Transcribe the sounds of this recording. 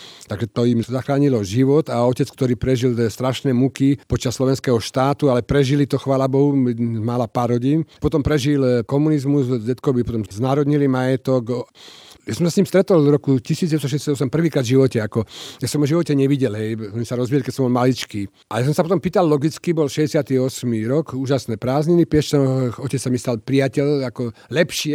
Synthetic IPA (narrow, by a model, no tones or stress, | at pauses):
t̪aɡʒɛt̪ɔimzaxɾaːɲilɔʒiʋɔt̪aɔcɛt͡skt̪ɔɾiːpɾɛʒilt̪ɛst̪ɾaʃnɛːmukipɔt͡ʃasːlɔʋɛnskɛɦɔʃt̪aːt̪ualɛpɾɛʒilit̪ɔxʋaːlabɔɦumalapaːɾɦɔɟiːnpɔt̪ɔmpɾɛʒilkɔmunizmuzɟɛt̪kɔʋipɔt̪ɔmznaːɾɔd̪ɲilimajɛt̪ɔk | jasɔmsasɲiːmst̪ɾɛt̪ɔɔlɾɔkucisiːd͡zɟɛst̪ɔʃ̬ɛɟɛsjad̪ɔsɛmpr̩ʋiːkɾaːd̪vʒiʋɔcɛakɔjasɔmɔʒiʋɔcɛɲɛʋiɟɛlɦɛjmisaɾɔzʋiɛlikɛcsɔmbɔlmalit͡ʃkiː | ʔalɛjas̬ɔmsapɔt̪ɔmpiːt̪allɔɡit͡skibɔlʃɛzɟɛsɪat̪iɔsmiɾɔkuːʒasnɛːpɾaːzɲinipɪɛʃsɛɔcɛt͡ssamisalpɾiacɛlakɔlɛpʃɪɛ